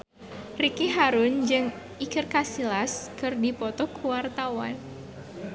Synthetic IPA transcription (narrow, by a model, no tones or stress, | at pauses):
rikiɦaɾʊnd͡ʒɨŋ | ikɨrkasilaskɨrdipɔt̪ɔkuwart̪awan